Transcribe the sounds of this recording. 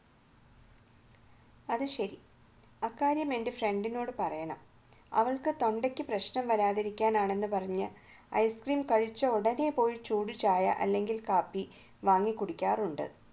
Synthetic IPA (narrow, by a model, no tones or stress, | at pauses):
ɐðɨɕɐɾi | ɐkːaːɾjɐme̞ndefre̞ɳɖino̞ːɽɨpɐrɐjɐɳɐ̰m | ɐ̰ʋɐɭkɨt̪o̞ɳɖekʲːɨprɐɕnɐmʋɐɾaːðiɾikʲːaːnaːɳe̞nːɨpɐrɐɲːɨ | ɐ̰jskriːmkɐɻit͡ɕːɐoɽɐne̞po̞ːjit͡ɕuːɽut͡ɕaːjɐ̰ʔɐ̰lːe̞ŋɡilkaːpːi | ʋaːŋːikːuɽikʲːaːruɳɖɨ̰